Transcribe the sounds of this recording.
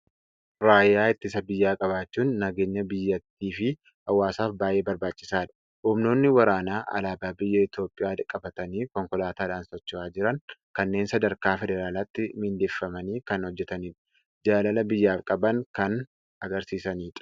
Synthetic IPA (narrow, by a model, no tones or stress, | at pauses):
ɾaːjːaːɪt̪ːɪsɐbɪjːaːkʼɐβaːt͡ʃːuːnːɐɡe̞ːɲːɐbɪjːɐt̪ːiːfɪ | hɐwːaːsaːfbaːjʔe̞ːbɐɾbaːt͡ʃʼːɪ̥saːᶑ̪ɐ̥ | hʊmno̞ːnːɪwɐɾaːnaːʔɐ̰laːbaːbɪjːɐɪt̪jo̞ːpʼːɪjaːkʼːɐbɐt̪ɐniːkɔŋkɔlaːt̪aːᶑaːnsɔt͡ʃːʊaːd͡ʒɪɾɐŋkɐnːe̞ːnsɐd̪ɐɾkaːfɛd̪ɛɾaːlaːt̪ːɪmɪnd̪eːfːɐmɐniːkɐnhɔd͡ʒːɛt̪ɐniːᶑ | d͡ʒaːlɐlɐbɪjːaːfkʼɐbɐŋkɐn | ɐɡɐɾsiːsɐniːᶑɐ̥